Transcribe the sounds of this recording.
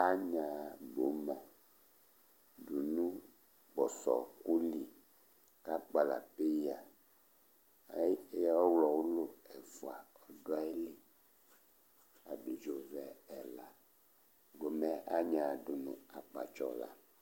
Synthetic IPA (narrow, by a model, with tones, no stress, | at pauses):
a˦ɲã˨bo˨˦mã˨ | du˨nũ˦ | ɡ͡bɔ˨sɔ̰˨ku˦li˨ | ka˦k͡pa˨la̰˨pe˦ja˨ | a˦jwɔ˦wlɔ˨wu˦lo˦ɛ˨vu˨a˨ | ɔ˨do˦a˦e˦li˦ | a˨bi˨d͡ʒo˦vɛ˨ɛ˨la˨ | ɡo˨mɛ˦ʔa˦ɲã˨du˨nṵ̃˦a˨k͡pa̰˨t͡ʃɔ˦la̰˨